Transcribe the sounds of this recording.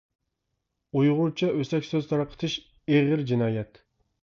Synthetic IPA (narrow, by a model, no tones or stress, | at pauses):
ujʁʊɾt͡ʃʰɑʔøsɛkʲsøz̥t̪ʰɑɾɑqʰə̥t̪ʰɨʃ | eʁɪɾd͡ʒinɑːjɛt̪